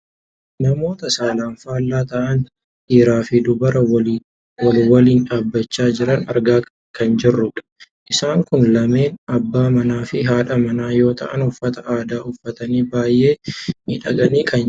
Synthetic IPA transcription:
nɐmo̞ːt̪ɐsaːlaːnfaːlːaːt̪ɐʔɐn | ʔiːɾaːfɪd̪ʊbɐɾɐw | lwɐliːnᶑaːbːɐt͡ʃːaːd͡ʒɪɾɐnɐ̰ɾɡaː | kɐnd͡ʒɪrːʊᶑɐ̥ʔɪsaːŋkʊnlɐme̞ːnɐbːaːmɐnaːfɪɦaːᶑɐmɐnaːjo̞ːt̪ʰɐ̰ʔɐ̰nʊfːɐt̪ɐʔaːd̪aːʊfːɐt̪ɐniːbaːjʔːe̞ːmɪᶑɐɡɐniːkʰɐn

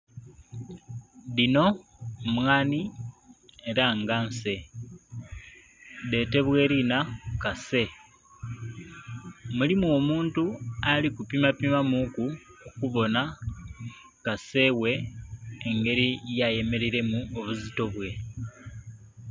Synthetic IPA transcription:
ðino̞mwaːni | e̞ɾaŋɡanse̞ | de̞ːte̞βwe̞ɾinakase̞ | mulimuo̞muːntualikupimapimamukuukuβo̞na | kase̞we̞ː | ŋɡe̞ɾijaje̞me̞ɾiɾe̞muoβuzito̞βwe̞

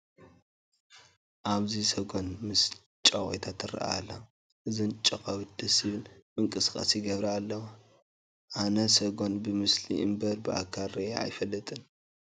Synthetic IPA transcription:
ʔaβzisɐɡo̞nmɨs | t͡ʃʼɐwʼojt̪ʰat̪ʰɨɾ̰ʔa̰a̰lːa | ʔɨzɨnt͡ʃʼɐkʼɐwɨd̪̥ɐsiβɨnmɨŋkʼɨsɨ̥kʼa̰sjɪɡɐβɾɐalːɐwa | ʔanɐsɐɡo̞nbɨmɨslḭʔɨ̰mbɐɾbɨʔa̰kʰaɾːea̰jfɐlːɨt̪ʼɨn

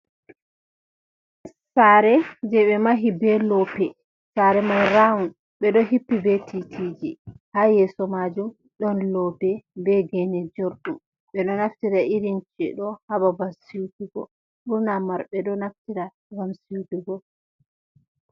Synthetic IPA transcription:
saɾɛd͡ʒɛɓɛmaɦibɛlɔpɛ | saɾɛmajɾawun | ɓɛɗɔɦipːibɛtʰitʰid͡ʒihaːjɛsɔmad͡ʒum | ɗɔnlɔpɛbɛɡɛnɛd͡ʒoɾɗum | ɓɛɗɔnaftiɾaʔiɾint͡ʃɛɗɔhababasiuduɡɔ̰ | buɾnamaɾɓɛɗɔnaftiɾa | ɡamsiuduɡɔ

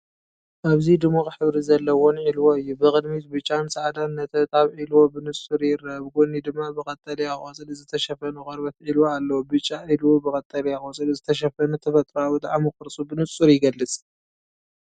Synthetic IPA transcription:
ʔaβzid̪ɨmokħɨβɾizɐlːɐwonʕilwoɨjːubɨkʼɨd̪mit̪̚bɨt͡ʃʼːansaʕad̪anːɐt̪ʰɐβt̪ʼaβʕilwobɨnɨsʼuɾjɪɾɐβɡonid̪ɨmːabɨkʼɐt̪ʼːɐlijaxʼosʼɨlɨzɨt̪ʰɐʃɐfɐnukʼɐɾbɐt̪ʕilwoalːɐwubɨt͡ʃʼːaʔilwobɨkʼɐt̪ʼːɐliaxʼot͡sʼɨlzɨt̪ʰɐʃ̬ɐfɐnut̪ʰɐfɐt̪ʼɾawit̪ʼaʕamɨkɨɾsʼubɨnɨsʼuɾjɪɡɐlːɨt͡sʼ

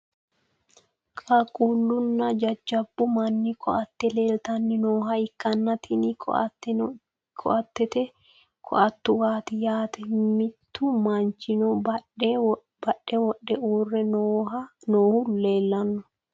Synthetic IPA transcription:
kʼɐkʼulːʊnːɐd͡ʒɐd͡ʒːɐbːʊmɐnːɪkʰɔɐt̪ːɛleːlt̪ɐnːɪnoːɦɐɪkːɐnːɐt̪ɪnɪ̰ | kʰɔ̰ʔɐt̪ːɛt̪ɛ | kʰɔ̰ʔɐt̪ːʊwaːt̪ɪjaːt̪ɛmɪt̪ːʊmɐnt͡ʃɪnɔ | bɐɗːɛwɔɗːɛuːrːɛnoːhɐnoːhʊleːlːɐnːɔ

